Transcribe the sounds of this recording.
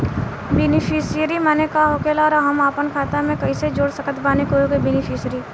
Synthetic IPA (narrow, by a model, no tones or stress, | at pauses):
beːnɪpʰisijəɾimɛːnekaɦoːkelaːɾaɦɐmaːpənkʰaːt̪amẽkɐĩsed͡ʒoːɽsəkət̪baːnekoɦoːɡebɛːnɪpʰiːsɾiː